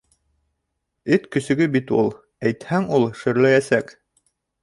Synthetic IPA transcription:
ɘt̪kɵ̆sɵ̆ɡɵbit̪ulˠ | æjt̪hæŋulˠʃɘ̆ɾlæjæsæk

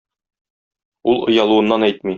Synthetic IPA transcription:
ulˠŏjɑlˠuɤ̆nːɑnæjt̪mi

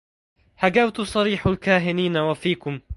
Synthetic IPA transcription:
haɡawt̪ʊsˤɑɾiːħalkaːɦɪniːnawafiːkʊm

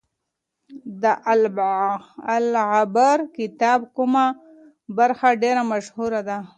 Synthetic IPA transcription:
d̪əʔal | alʕabaɾkɪt̪ɑbkuma | baɾxaɖeɾamaʃhuɾad̪a

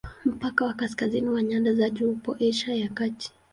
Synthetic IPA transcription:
m̩pakawakaskaziniwaɲandazaʄuupɔʔɛʃajakati̥

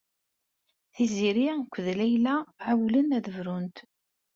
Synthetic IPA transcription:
θiziɾikʷːðlæjlæʕawlənæðəvɾunt̪

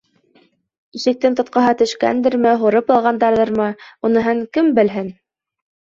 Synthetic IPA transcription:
iʃɘ̆k̚t̪ɘnt̪ŏt̪̚qɑɦɑt̪ɵ̆ʃkæ̰nd̪ɘɾmɘɦŏɾɤpɑlˠʁɑnd̪ɑɾðɤɾmɤunɤ̆ɦɤŋkɘmbɘ̆lɦɘn

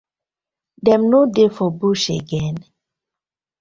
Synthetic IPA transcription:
dɛmnodefɔbuʃeɡɛ̃n

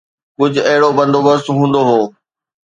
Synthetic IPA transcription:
kʊd͡ʑʱʊɐɦɪɽobɐ̃nd̪ʱoːbəst̪ɦũːnd̪oɦoː

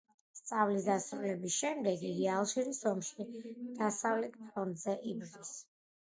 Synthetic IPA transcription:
st̪sʼavlisd̪asɾulɛbisʃɛmd̪ɛɡialˠʃiɾisɔmʃid̪̥asavlɛt̪̚ʰpʰɾɔnd̪zɛʔibd̪is

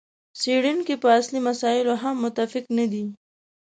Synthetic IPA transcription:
seɽinkepəaslimasɑɪloɦamːʊt̪ːafɪknad̪i

